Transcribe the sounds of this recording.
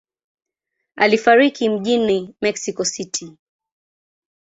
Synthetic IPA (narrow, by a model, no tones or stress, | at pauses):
alifaɾikim̩ʄinimɛksikɔsitʰi